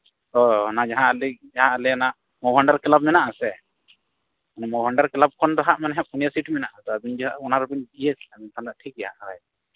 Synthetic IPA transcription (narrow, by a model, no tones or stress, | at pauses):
t̪ɔnad͡ʒaɦãlɛd͡ʒaɦãʔalɛnaʔ | mɔwɦaɳɖaɾkɛlab̚mɛnaʔasɛ | manɛmɔwɦaɳɖaɾklab̚kɔnd̪ɔɦaʔmanɛɦaʔunijasiʈmɛnaʔasɛabind͡ʒɔaʔɔnaɾubinbijesamɛnt̪anlaʔʈʰik̚jahaʔaɾa̰j